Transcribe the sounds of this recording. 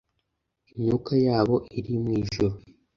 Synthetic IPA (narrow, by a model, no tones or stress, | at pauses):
iɲukajaːβo̞ʔiɾimŋiːʒuɾo